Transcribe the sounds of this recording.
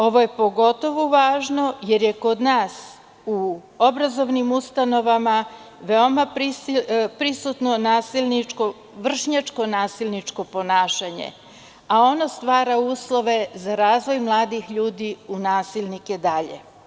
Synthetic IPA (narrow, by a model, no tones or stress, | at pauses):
o̞ʋo̞je̞po̞ɡo̞t̪o̞ʋuʋaːʒno̞je̞ɾje̞ko̞d̪naːs | u | o̞bɾazo̞ʋnimust̪ano̞ʋama | ʋe̞o̞mapɾipɾisut̪no̞naːsilniko | ʋr̩ʃɲat͡ʃko̞naːsilʲnit͡ʃko̞po̞naːʃaɲḛ | ao̞nost̪ʋaːɾauːslˠo̞ʋe̞zaɾaːzʋo̞jmlˠaːd̪ixʎuːd̪iunaːsilnike̞d̪aʎḛ